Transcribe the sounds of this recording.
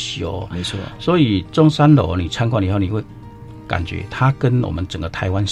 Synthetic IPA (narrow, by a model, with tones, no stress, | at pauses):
ɕo̰˨˧˦me˨˦wɔ˥swɔ˧˥i˨˩t͡sʊ˥ŋsa˦nlo̰˨˩˦ni˨˩t͡sʰa˥nkwa˥˩˨i˨˦ho˥˩ni˨˩we˥˩ɪ | ka̰˨˩nt͡ɕɥɛ̰˧˦t̪ʰa˦˥kə˦nwɔ̰˨˩mə˨˦nt͡sə˨˩ŋɡə˦t̪ʰa˧˦ɪwa˦n